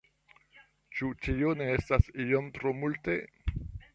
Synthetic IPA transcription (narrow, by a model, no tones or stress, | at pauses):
t͡ʃut͡ʃioneestasijomt̪ɾomulte